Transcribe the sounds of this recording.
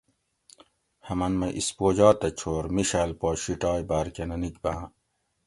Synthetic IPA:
hɐmɐnmɐʔḭspoːd͡ʑɑːt̪ɐt͡ɕʰoːɾmiɕalpɔːɕiʈɑːjbaɾkɐnɐnikbã

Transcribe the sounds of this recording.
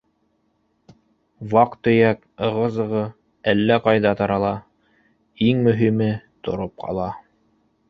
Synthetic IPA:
wɑqt̪ɵ̆jæk | ɤ̆ʁɤ̆zɤ̆ʁɤ | ælːæqɑjðɑt̪ɑɾɑlˠɑ | iŋmɵ̆ɦimɘt̪ŏ̰ɾop̚qʰɑ̰lˠɑ

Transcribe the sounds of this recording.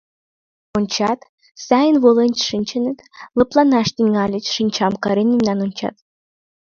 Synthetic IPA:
onʲt͡ɕɑt̪ | sɑjənβolˠenʲt͡ɕʃɨnʲt͡ɕənɘ̆t̪lɤ̆plˠɑnɑʃt̪iŋɑlʲə̆t͡ɕʃɨnʲt͡ɕɑmkɑɾenimnɑnonʲt͡ɕɑ̰t̪̚

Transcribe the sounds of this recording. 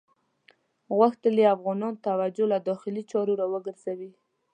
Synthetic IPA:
ɣwaxt̪əleafɣɑnɑnt̪awad͡ʒolad̪ɔxɪlit͡ʃɑɾoɾawəɡəɾz̥awi

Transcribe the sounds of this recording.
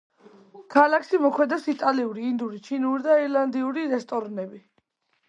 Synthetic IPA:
kʰalakʰʃimɔkʰwɛd̪asit̪ʼaliuɾiːnd̪uɾit͡ʃʰinuɾid̪aiɾland̪iuɾiɾɛst̪ʼɔɾnɛbi

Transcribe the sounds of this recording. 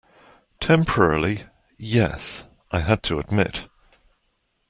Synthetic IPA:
tʰɛ̃mpʰə˞ɛɹlˠi | jɛ̰s | aɪəd̚tʰəəd̚mɪ̰t

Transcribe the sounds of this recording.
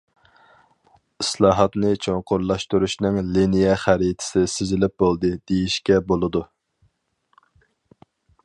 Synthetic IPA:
islˠɑːɦɑt̪nɨt͡ʃʰoŋqʰʊɾlˠɑʃt̪uɾuʃnɨŋlinijɛχæɾit̪ʰɪ̥sɪsɪzɪlɪp̚bolˠd̪ɨd̪̥ejiʃkʲɛbolˠɨd̪u

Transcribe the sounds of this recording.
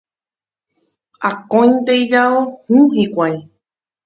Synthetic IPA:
akõjnt̪ejd͡ʒaohũɦikʷaj

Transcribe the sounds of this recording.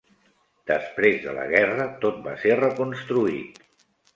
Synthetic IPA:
d̪̥əspɾezðə̰lə̰ɣɛrət̪ot̪̚ba̰serəkunst̪ɾuḭt̪

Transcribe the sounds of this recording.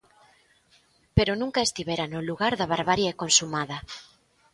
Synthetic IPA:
peɾonũŋkaest̪iβeɾanoluɣaɾðaβ̞aɾβaɾjaekonsumaðɐ

